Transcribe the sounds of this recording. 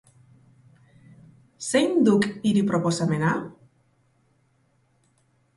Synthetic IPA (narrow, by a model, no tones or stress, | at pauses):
sejnd̪ukiɾipɾoposamenal